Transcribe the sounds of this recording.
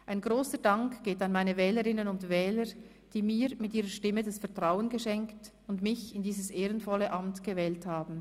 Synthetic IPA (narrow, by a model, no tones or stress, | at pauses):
ʔaɪnɡʁoːsədaŋkɡ̥eːtanmaɪnəvɛːləʁɪnənʊndvɛːləɹ | d̥iːmiːmɪtʔiːʁəʃtɪmːədasfɛɐtʁ̥aʊənɡəʃɛŋkt | ʊndmɪçɪndiːzəsʔeːʁənfɔlːəʔamtɡ̥əvɛːlthaːbn̩